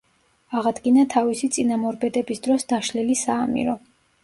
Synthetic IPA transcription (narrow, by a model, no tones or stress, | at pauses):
aʁad̪ɡinat̪ʰavisit̪sʼinamɔɾbɛd̪ɛbisd̪ɾɔsd̪aʃlilisaːmḭɾɔ